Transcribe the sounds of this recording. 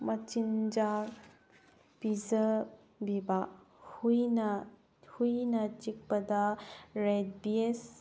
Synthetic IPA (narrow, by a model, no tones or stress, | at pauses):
mɐt͡ʃind͡ʒa | pizɐ | biba | hujnɐ | hujnɐt͡ʃik̚pɐdɐɾed̚bies